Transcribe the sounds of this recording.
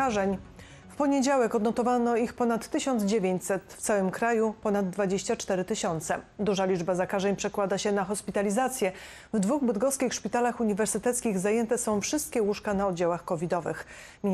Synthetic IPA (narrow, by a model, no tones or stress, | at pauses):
aʐɛɲ | fpɔɲed͡ʑawɛkɔd̪nɔt̪ɔvanɔixpɔnat̪ːɘɕɔnd̪zd͡ʑevʲeɲt͡ɕsɛt̪ft̪sawɘmkɾajupɔnad̪ːvad͡ʑeɕt͡ɕat͡ʂt̪ɛɾɘt̪ɘɕɔnt̪sɛd̪uʐalʲid͡ʐbazakaʐɛɲpʂɛkwad̪aɕɛnaxɔspʲit̪alʲizat̪sʲjɛ | vd̪vuɣbɘd̪ɡɔskʲixʂpʲit̪alaxuɲivɛɾsɘt̪ɛt̪skʲiɣzajɛnt̪ɛsɔ̃w̃fʂɘst̪̚kʲɛwuʂkanaɔd̪̚d͡ʑawaxkɔvʲid̪ɔvɘ̰x | mʲi